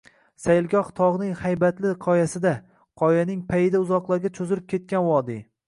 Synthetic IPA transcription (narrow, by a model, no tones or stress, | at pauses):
sajɪlˠɡʲɒχt̪ʰɒʁnɪŋhajbat̪lɪqʰɒjasɪd̪a | qʰɒjanɪŋpʰajɪd̪aʊzɒqlˠaɾɡʲat͡ʃʰɵzɪlɪp̚kʲʰe̞t̪̚kʲanwɒd̪ɪ